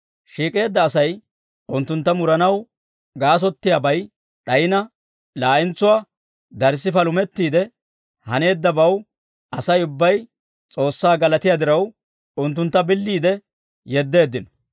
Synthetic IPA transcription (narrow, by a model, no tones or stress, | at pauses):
ʃiːkʼe̞ːd̪ːɐːsɐj | ʊnt̪ːʊnt̪ːɐmʊɾɐnɐw | ɡaːs̬ɔt̪ːɪjabɐj | ɗɐjɪnɐ | laːʔɪnt͡sːʊwaː | d̪ɐɾs̬ːɪfɐlʊmɛt̪ːiːd̪ɛ | hɐne̞ːd̪ːɐbɐw | ʔɐsɐjʊbːɐj | t͡sʼo̞ːsːaːɡɐlɐt̪ɪjaːd̪ɪɾɐw | ʊnt̪̬ːʊnt̪ːɐbɪlːiːd̪ɛ | jɛd̪ːe̞ːd̪ːɪnɔ